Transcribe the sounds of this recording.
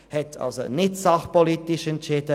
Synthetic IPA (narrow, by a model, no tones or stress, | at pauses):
hɛtʰɑ̰lso̰nɪtsɑxpolit̪ɪʃənt͡ʃeːtə